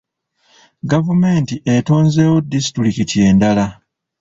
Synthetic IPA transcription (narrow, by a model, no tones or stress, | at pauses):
ɡavumeːntiʔeto̞ːnze̞ːwo̞disi̥tuɾikitie̞ːndala